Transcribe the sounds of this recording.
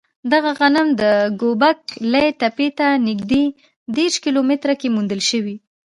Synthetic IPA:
d̪aɣaɣanamd̪əɡobak̚lajʈapet̪anɪɡd̪e | d̪eɾʃkilomɪt̪ɾakemund̪əlʃəwi

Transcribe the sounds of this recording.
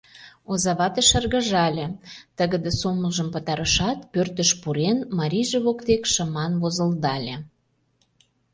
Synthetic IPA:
ozɑβɑt̪eʃə̆rɣə̆ʒɑlʲĕt̪əɣə̆d̪esoməlʒə̆mpə̆t̪ɑɾəʃɑt̪pørt̪əʃpuɾenmɑɾʲiʒeβokt̪ekʃə̆mɑnβozə̆ld̪ɑlʲĕ

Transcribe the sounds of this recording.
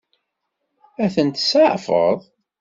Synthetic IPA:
æθənt̪səʕfə̰ðˤ

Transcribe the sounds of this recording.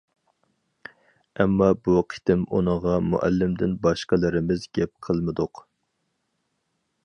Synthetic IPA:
ɛmːɑbuqʰi̥t̪ɪmṵnəʁɑmṵʔæ̰lːɪmd̪ɪnbɑʃqəlˠɪɾɪmɪzɡʲɛp̚qʰəlˠmɨd̪ʊq

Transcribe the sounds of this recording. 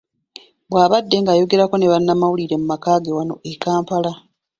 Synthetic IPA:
bwaːβadːe̞ŋɡaːjo̞ɡe̞ɾakone̞βanːamawuliɾe̞mumakaːɡe̞wano̞̰ʔekaːmpala

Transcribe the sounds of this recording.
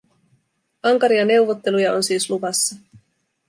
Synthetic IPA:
ɑŋkɑɾiɑne̞wʋo̞t̪ːe̞lujɑo̞nsiːsluʋɑsːɑ

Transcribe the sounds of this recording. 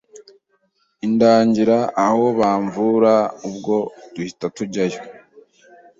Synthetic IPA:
indaːɲɟiɾaʔːho̞βaːɱvuːɾaubɡo̞d̥uhitatuɟajo

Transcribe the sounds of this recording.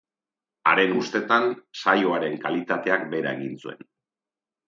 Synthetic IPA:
a̰ɾe̞ŋust̪e̞t̪ansajo̞aɾe̞ŋkalit̪at̪e̞akbe̞ɾa̰e̞ɣint͡sue̞̰n

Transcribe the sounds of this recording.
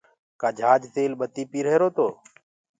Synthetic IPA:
kaːd͡ʒʱaːd͡ʒt̪eːlɓət̪iːpiːɾeːɾoːt̪oː

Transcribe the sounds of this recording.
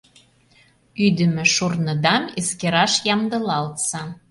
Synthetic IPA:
yd̪ə̆mɘ̆ʃurnɤ̆d̪ɑmeskeɾɑʃjɑmd̪ɤ̆lɑlt̪sɑ

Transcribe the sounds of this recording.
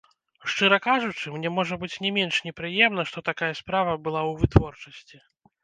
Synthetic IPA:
ʂt͡ʂɨɾɐkaʐut͡ʂɨmnʲɛmɔʐɐbɨt͡sʲnʲɛmʲenʂnʲɛpɾɨjɛmnɐʂt̪ɔt̪akajɐspɾavɐbɨlˠawvɨt̪vɔrt͡ʂɐsʲt͡sʲi

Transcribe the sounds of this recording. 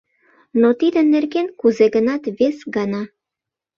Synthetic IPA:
not̪id̪ənːerkenkuzeɣənɑt̪βesɡɑnɑ

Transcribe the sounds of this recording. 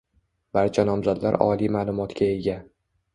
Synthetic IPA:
b̥aɾt͡ʃʰanɒmzad̪la̰ɾɒ̰limaːlˠʊmɒt̪kʲʰae̞ɡʲa

